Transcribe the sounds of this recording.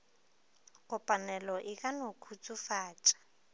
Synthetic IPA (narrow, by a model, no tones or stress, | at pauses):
ɣʊpʼanɛlɔʔɪkʼanokʰut͡sʼufaːt͡ʃʼḁ